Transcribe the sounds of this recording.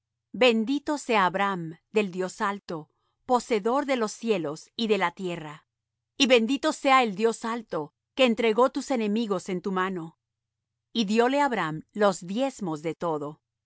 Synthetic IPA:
be̞nd̪it̪o̞se̞aːβɾamd̪e̞ld̪jo̞salt̪o̞ | po̞se̞ðo̞ɾðe̞lo̞sːje̞lo̞siðe̞lat̪je̞ra | iβe̞nd̪it̪o̞se̞aeld̪jo̞salt̪o̞ | keːnt̪ɾe̞ɣo̞t̪use̞ne̞miɣo̞se̞nt̪umano̞ | iðjo̞le̞aβɾamlo̞zd̪je̞zmo̞zðe̞t̪o̞ðo̞

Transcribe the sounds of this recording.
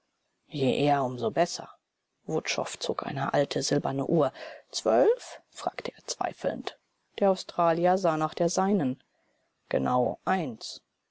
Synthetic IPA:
jeːʔeːɐʊmzobɛsɐ̰ | vʊtʃɔ̰ft͡soːkʔa̰ɪnəʔa̰ltʰəzɪlbɐnə̰ʔuːɐt͡sv̥œlffʁ̥a̰ːktʰəʔeːɐt͡sv̥a̰ɪfl̩̰n̩t | d̥eːɐaʊstʁ̥aːljɐzaːnaːχd̥eːɐzaɪnən | ɡ̥ə̰na̰ʊʔaɪns

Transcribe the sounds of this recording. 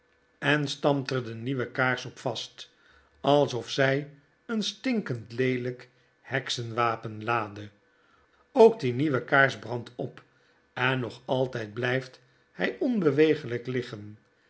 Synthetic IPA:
ɛnstɑmtərdəniʋəkaːɹsɔpfɑst | ɑlˠsɔfsɛj | ənstɪŋkəntlejlək | hɛksənʋaːpənlaːdə | owk̚diniʋəkaːɹzbʁɑntɔp | ɛnːɔχɑlˠtɛjd̚blɛjft | hɛjɔnbəʋejχələklɪχən

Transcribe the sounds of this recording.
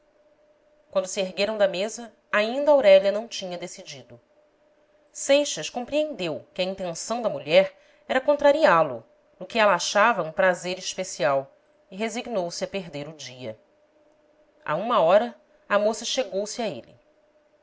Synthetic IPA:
kwɐ̃nd̪ʊsɪeɦɡeɾɐ̃w̃d̪ɐmezɐ | aĩnd̪ɐawɾɛʎɐnɐ̃w̃t͡ʃĩɲɐd̪esid͡ʒid̪ʊ | sejʃɐʃkõmpɾiẽnd̪ewkɪɐĩnt̪ẽsɐ̃w̃d̪ɐmuʎɛɾ | ɛɾɐkõnt̪ɾaɾialʊ̰ | nʊkɪɛlɐaʃavɐũpɾazeɾiʃpesiaw | iɦeziɡnowsɪɐpeɦd̪eɾʊd͡ʒiɐ̰ | a̰ũmɐɔɾɐ | ɐmosɐʃeɡowsɪɐḛlɪ̰

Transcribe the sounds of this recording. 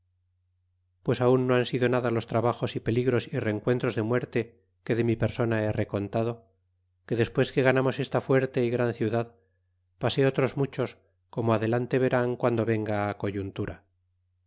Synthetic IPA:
pwe̞saunːoansiðo̞naðalo̞st̪ɾaβaχo̞sipe̞liɣɾo̞sire̞ŋkwe̞nt̪ɾo̞zðe̞mwe̞ɾt̪e̞ | ke̞ðe̞mipe̞ɾso̞naere̞ko̞nt̪aðo̞ | ke̞ðe̞spwe̞ske̞ɣanamo̞se̞st̪afwe̞ɾt̪e̞iɣɾanθjuðað | pase̞o̞t̪ɾo̞zmut͡ʃo̞s | ko̞moaðe̞lant̪e̞βe̞ɾaŋkwand̪o̞βe̞ŋɡaːko̞ʝunt̪uɾa

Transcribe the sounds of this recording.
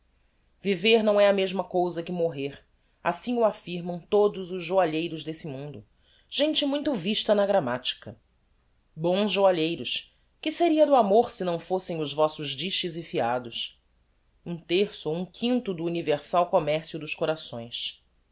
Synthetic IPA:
viveɾn̪ɐ̃w̃ɛɐmeʒmɐkowzɐkɪmoɦeɾ | a̰sĩŋʊafiɾmɐ̃w̃t̪od̪ʊzʊzʒoaʎejɾʊzd̪esɪmũnd̪ʊ | ʒ̥ẽnt͡ʃɪmũj̃t̪ʊviʃt̪ɐnɐɡɾamat͡ʃi̥kɐ | bõzʒoaʎejɾʊs | kɪseɾiɐd̪ʊamoɾsɪnɐ̃w̃fosẽj̃ʊzvɔsʊʒd͡ʒiʃt͡ʃɪzɪfiad̪ʊs | ũt̪eɾsʊũkʰĩnt̪ʊd̪ʊːniveɾsawkomɛɾsjʊd̪ʊʃkoɾasõ̰j̃s

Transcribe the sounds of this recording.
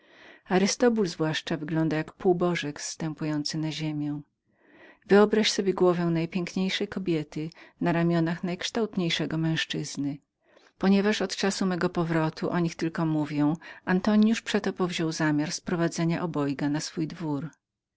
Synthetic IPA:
aɾɨst̪ɔbulzvwaʂt͡ʂavɘɡlɔnd̪ajakpuwbɔʐɛkst̪ɛmpujɔnt̪sɘnaʑemʲjɛ̃ | vɘɔbɾaɕsɔbʲjɛɡwɔvɛw̃najpʲjɛŋkɲejʂɛjkɔbʲjɛt̪ɘnaɾamʲjɔnaxnajkʂt̪awt̪ɲejʂɛɡɔmɛ̃w̃ʂt͡ʂɘz̥nɘ | pɔɲɛvaʂɔt̪t͡ʂasumɛɡɔpɔvɾɔt̪ʰuʔɔɲixt̪ɘlkɔmuvʲjɛ̃w̃ʔant̪ɔɲjuʂpʂɛt̪ɔpɔvʑɔwzamʲjaɾspɾɔvad̪zɛɲaʔɔbɔjɡanasfujd̪vuɾ

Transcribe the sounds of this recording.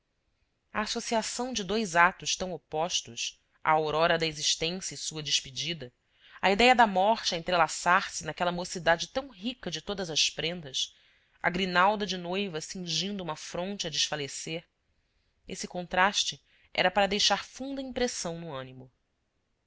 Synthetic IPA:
ɐːsosiasɐ̃w̃d͡ʒɪd̪ojzat̪ʊʃt̪ɐ̃w̃opɔʃt̪ʊs | ʔɐ̰oɾɔɾɐd̪ɐeziʃt̪ẽsjɐisuɐd͡ʒɪʃpid͡ʒid̪ɐ | ɐid̪ɛjɐd̪ɐmɔχt͡ʃɪɐẽnt̪ɾelasaɾsɪnakɛlɐmosid̪ad͡ʒɪt̪ɐ̃w̃ɦikɐd͡ʒɪt̪od̪ɐzɐspɾẽnd̪ɐs | ɐ̰ɡɾinawd̪ɐd͡ʒɪnojvɐsĩŋʒĩnd̪ʊumɐfɾõnt͡ʃɪɐd͡ʒɪʃfaleseɾ | esɪkõnt̪ɾaʃt͡ʃɪ | ʔɛ̰ɾɐpaɾɐd̪ejʃaɾfũnd̪ɐĩpɾesɐ̃w̃nʊɐ̃nimʊ

